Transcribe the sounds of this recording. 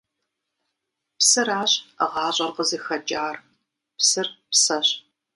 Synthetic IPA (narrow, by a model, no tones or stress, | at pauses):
psɨɾaːɕəʁɑːɕʼɐrqəzɨxɐd͡ʒaːr | psɨrpsɐɕ